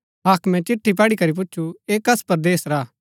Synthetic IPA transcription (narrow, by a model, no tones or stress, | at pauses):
ɦaːkʰmɛ̃t͡ʃɪʈʰːip̬ɐːɽikɐɾip̬ʊtːʃʰueːkɐspɐɾd̪eːsɾaː